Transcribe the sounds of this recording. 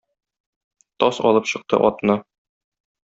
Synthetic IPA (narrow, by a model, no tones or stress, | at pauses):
t̪ɒsɒlˠɤpɕɤ̆q̚t̪ɤ̰ʔɒt̪nɤ